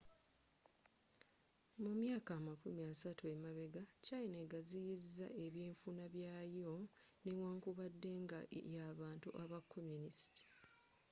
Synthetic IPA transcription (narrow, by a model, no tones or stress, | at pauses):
mumjaːkaːmakumiasatue̞maβe̞ɡacaineɡazijizːa̰ʔe̞βjeːɱfunaβjaːjonewaːŋkuβadːe̞ŋɡajaːβaːntuʔaβakʰːomjunisi̥ti̥